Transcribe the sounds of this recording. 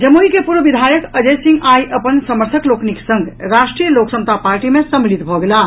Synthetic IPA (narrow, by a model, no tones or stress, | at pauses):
d͡ʒəmuɦikepuɾbʱbid̪ʱajəkəd͡ʒesĩŋɡajʔəpənsəməɾt̪ʰəklokniksəŋɡʱɾasʈɾijəloksəmt̪apaɾʈimesəmilit̪bʱɔɡela